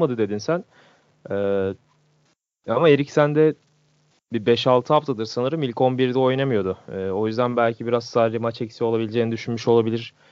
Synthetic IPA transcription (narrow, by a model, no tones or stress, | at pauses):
mad̪ɯd̪e̞d̪insæn | ɛː | amae̞ɾicsænd̪ɛ | bibɛʃalˠt̪ʰɯɦaft̪ʰad̪ɯɾsanɯɾɯmicʰo̞nbiɾd̪ɛo̞jnamɯjo̞d̪ʊɛːo̞jyzd̪ænbælʲcʰibiɾazsaɾlimat͡ʃɛcsiolˠabilʲid͡ʒeːnid̪yʃynmyʃo̞lˠabilʲiɾ̥